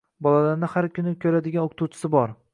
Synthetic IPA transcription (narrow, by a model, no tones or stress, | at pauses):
bɒlalaɾnɪhaɾkʲʰʊnɪkʲʰɵɾad̪ɪɡʲanokʰt̪ʰuwt͡ʃʰɪ̥sɪbɒɾ